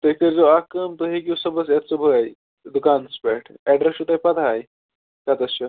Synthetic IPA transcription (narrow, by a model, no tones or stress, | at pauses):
t̪əɦikt̪əɾd͡zoakəmt̪əɦek̬ʲiwsəbəsjat͡sobʱəɡaj | d̪ukanspɛʈʰɛɖɾesut̪ajpad̪ʰʱaj | kat̪əst͡ɕa